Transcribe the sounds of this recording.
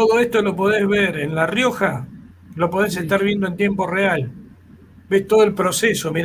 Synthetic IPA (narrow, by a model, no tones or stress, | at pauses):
t̪oðo̞est̪o̞lo̞p̬o̞ðezβeɾenlarjo̞xa | lo̞po̞ðes̬e̞ht̪aɾβje̞nd̪oe̞nt̪je̞mpo̞real | best̪o̞ð̞oe̞lpɾo̞sesomiɾ